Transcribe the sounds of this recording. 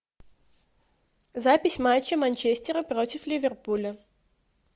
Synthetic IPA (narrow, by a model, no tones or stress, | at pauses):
zapʲɪsʲmat͡ɕːəmɐnʲt͡ɕesʲtʲɪɾəpɾotʲɪflʲɪvʲɛrpulʲə